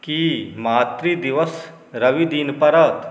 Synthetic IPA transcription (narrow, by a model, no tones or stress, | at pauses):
kimaːt̪ɾid̪ɪʋəs | ɾɐʋid̪iːnpɐɾət̪